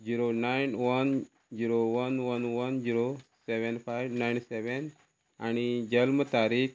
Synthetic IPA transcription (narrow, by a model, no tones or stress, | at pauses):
d͡ʑiɾonajnʋən | d͡ʑiɾoʋənʋənʋənd͡ʑiɾoseʋɛnfajʋnajnseʋen | aɽ̃id͡ʑəlmət̪aɾik